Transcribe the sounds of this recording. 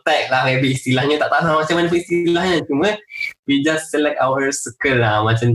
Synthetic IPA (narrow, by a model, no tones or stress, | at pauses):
t̪ak̚lamebiist̪ilahɲət̪aʔt̪aʊamat͡ʃamanəpəist̪ilahɲat͡ʃumə̃wid͡ʒasːəlɛkawəɾsəkəlamat͡ʃam